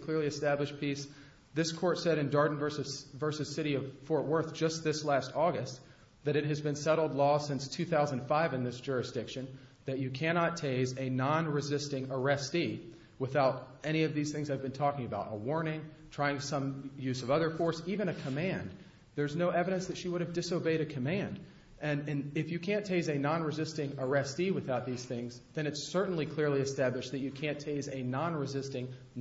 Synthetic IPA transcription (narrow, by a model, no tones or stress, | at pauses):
kʰl̥ɪɹliɨstæblɨʃpʰis | ðɪskʰɔɹtsɛɾɨ̃ndɑɹdⁿn̩vɜ˞sɨ̥vɜ˞sɨz̥sɪɾiʌv̥fɔɹt̚wɜ˞θd̥ʒ̥ʌst̪̚ðɪslæstɔɡɨst | ðɨɾɨt̚ɦɨzbɨ̃nsɛɾl̩ˠdˡlɔsɪ̃nstʰʉθaʊzɨ̃n̩d̥faɪvɨ̃nðɪsd̥ʒ̥ʊɹɨsd̥ɪkʃɨ̃nðɨt͡ʃɨkʰæñɑtʰeɪzɨnɑ̃nɹɨzɪstɪ̃ŋə˞ɛsti | wəθaʊɾ | ɛɾ̃iʌvðiz̥θɪ̃ŋzaɪvbɨ̃ntʰɔkɪ̃ŋɨbaʊɾə̰wɔɹnɪ̃ŋtʰɹ̥aɪɪ̃ŋsʌ̃mjʉzʌvʌðə˞fɔɹsivɨ̃ñɨkʰəmæ̃n | ðə˞znoʊʔɛvɨɾɨ̃nsðɨtʃiwʊɾɨvdɨsoʊbeɪɾɨkʰɨmæ̃nd | ʔɨ̃nɨ̃nɪfjɨkʰæ̃ntʰeɪzɨnɑ̃nɹɨzɪstɪ̃ŋə˞ɛstiwɨθaʊt̪̚ðiz̥θɪ̃ŋzðɨ̃ɾ̃ɨtsɜ˞ʔn̩likʰl̥ɪɹliɨstæblɨʃt̪̚ðɨt͡ʃɨkʰæ̃ntʰeɪzɨnɑ̃nɹɨzɪstɪ̃ŋ